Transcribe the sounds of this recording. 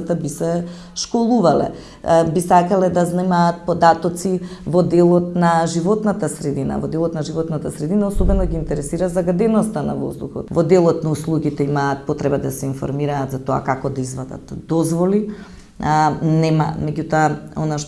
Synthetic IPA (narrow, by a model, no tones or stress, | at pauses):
at̪abisɛ | ʃkɔlˠuvalɛ̰ | bisakalɛd̪aznɛmaːt̪̚pod̪at̪ɔt̪sivɔd̪ɛlˠɔt̪̚naʒivɔt̪nat̪asɾɛd̪ina̰vɔd̪ɛlˠɔt̪naʒivɔt̪nat̪asɾɛd̪inaɔsobɛnɔɡiːnt̪ɛɾɛsiɾazaɡad̪ɛnɔst̪ana̰vo̰zd̪uxɔ̰t̪vɔd̪ɛlˠɔt̪nauslˠuɡit̪ɛimaːt̪̚pot̪ɾɛbad̪asɛinfɔ̰ɾmiɾaːt̪zat̪oa̰kakɔd̪aizvad̪a̰t̪d̪ɔzvɔli | nɛma̰mɛɟut̪ɔaonaʃ